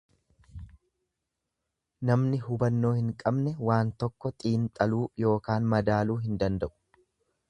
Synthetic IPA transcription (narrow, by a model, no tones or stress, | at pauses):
nɐmnɪɦʊbɐnːo̞ːhɪŋkʼɐbnɛwaːnt̪ɔkːɔt̪ʼiːnt̪ʼɐluːjo̞ːkaːnmɐd̪aːluːɦɪnd̪ɐnd̪ɐʔʊ̥